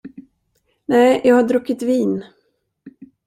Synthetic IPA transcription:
nɛɪjʔɑːɡhaɖɾɔkːɪt̪viːn

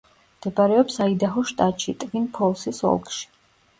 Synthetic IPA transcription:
md̪̥ɛbaɾɛɔpsaid̪aɦɔʃt̪ʼat̪ʼʃit̪ʼvinpʰɔlˠsisɔ̰lˠkʼʃi̥

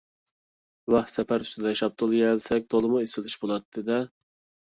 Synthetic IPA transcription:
vɑχsɛpæɾyst̪ʰɪd̪ɛʃɑp̚t̪ʰolˠjɛlsɛk̚ʲt̪ʰolˠɨmuesɪlˠɪʃbolˠɑt̪ʰːɨd̪ɛ

